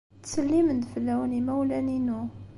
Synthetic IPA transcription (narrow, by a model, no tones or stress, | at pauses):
t̪səlːimənd̪fəlːæwnimæwlæninu